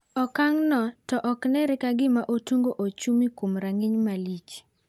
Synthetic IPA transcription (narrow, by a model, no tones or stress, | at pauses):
ɔkaŋnɔtɔʔɔknɛɾɪkaɡɪmaʔotuŋɡoʔot͡ʃumikomɾaŋɪɲmalit͡ʃ